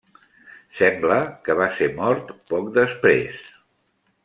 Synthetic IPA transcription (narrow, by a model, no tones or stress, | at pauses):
sɛmbləkəβ̞aseɾmɔɾt̪pɔkd̪əspɾes